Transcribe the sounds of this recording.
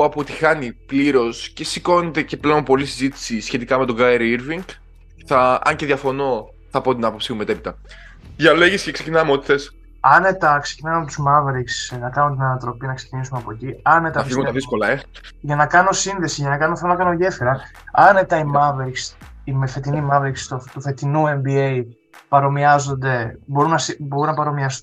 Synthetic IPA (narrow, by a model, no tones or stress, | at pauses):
ɐpot̪i̥xɐnipliɾo̞sce̞siko̞net̪e̞ce̞pleonpo̞lisizit̪i̥sisçe̞t̪ikɐme̞t̪oɡɐeɾiɾviŋɡ | θɐɐ̰ɲce̞ðjɐfo̞no̞ | θɐpo̞t̪inɐpo̞psimumeepit̪ɐ | ʝɐle̞ʝiscekse̞̥cinɐmeot̪i̥θe̞s | ɐnet̪ɐksecinɐmeɐpot̪uzmɐveɾiksnɐkɐnont̪inɐnɐt̪ɾo̞piɐnɐkse̥cinisumeɐpo̞ciɐne̞t̪ɐiɣuɐðiskolɐeʝɐnɐkɐno̞sinðe̞siʝɐnɐkɐnoθelonɐkɐnoʝe̞fiɾɐ | ɐnet̪ɐimɐveɾiks | imefe̞t̪inimɐveɾikst̪ot̪ufe̞t̪inue̞mbiej | pɐɾo̞miɐzo̞nd̪e̞bo̞ɾunɐsibo̞ɾunɐpɐɾo̞miɐst̪